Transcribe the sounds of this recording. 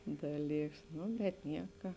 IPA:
ˈdɑːˌlʲiːks ˈnʊ bʲɛt ˈnʲiɛkɐ

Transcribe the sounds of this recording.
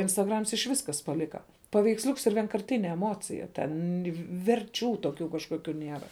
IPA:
ɪnstɐˈɡrɐms ɪʃ ˈʋʲɪs ˈkɐs pɐˈlʲɪkɐ pɐʋʲɛɪksʲˈlʲʊks ɪr ʋʲiɛŋkɐrʲˈtʲɪnʲɛ ɛˈmoːt͡sʲɪjɛ ˈtʲɛn ʋʲɛrʲˈt͡ʃʲuː toːˈkʲuː kɐʃkoːˈkʲuː ˈnʲeːrɐ

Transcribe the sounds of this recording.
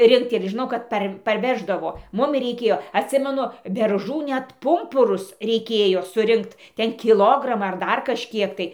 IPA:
ˈrʲɪŋkt ɪr ʒʲɪˈnɐʊ kɐt ˈpɐr pɐrʲˈʋʲæːʒdɐʋoː ˈmʊmʲɪ rʲɛɪˈkʲeːjoː ɐtʲˈsʲɪmʲɛnʊ bʲɛrˈʒuː ˈnʲɛt ˈpʊmpʊrʊs rʲɛɪˈkʲeːjoː sʊˈrʲɪŋkt ˈtʲɛn kʲɪˈlˠoːɡrɐmɑː ɐr ˈdɐr kɐʃʲˈkʲiɛk tɐɪ

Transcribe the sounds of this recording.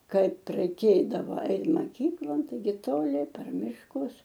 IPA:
ˈkɐɪp rɐɪˈkʲeːdɐʋɐ ˈɐɪt mɐˈkʲiːklˠoːn tɐɪˈɡʲɪ toːˈlʲɪ pʲɛr mʲɪʃˈkʊs

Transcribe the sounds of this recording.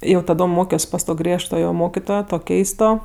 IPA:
jɛʊ tɐˈdoːm ˈmoːkʲoːs pɐs ˈtoː ˈɡrʲiɛʃtoːjoː ˈmoːkʲɪtoːjoː ˈtoː ˈkʲɛɪstoː

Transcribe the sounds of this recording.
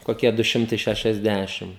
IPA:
koːˈkʲiɛ dʊ ˈʃʲɪmtɐɪ ʃʲɛʃʲɛzʲˈdʲæʃʲɪm

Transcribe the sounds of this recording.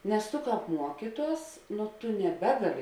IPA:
nʲɛs tʊ ˈkɑːp ˈmuɔkʲiːˌtuɔs nʊ ˈtʊ nʲɛˈbʲæːɡɐˌlʲɪ

